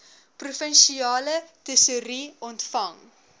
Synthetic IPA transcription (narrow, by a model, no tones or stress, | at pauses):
prufənʃiɑːlətəsuɾiɔntfɐŋ